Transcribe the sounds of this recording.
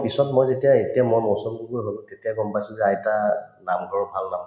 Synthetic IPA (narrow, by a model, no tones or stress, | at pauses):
pisɔtmojzetiaetiamojmosɔmduɡojɦoltetiaɡɔmpajsʊ̃zɛaɛtanamɡʱɔɹɔbʱalnam